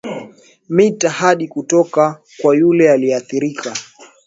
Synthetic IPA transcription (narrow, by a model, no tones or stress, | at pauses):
mitahaɗikutɔka | kwajulɛaliɛaθiɾika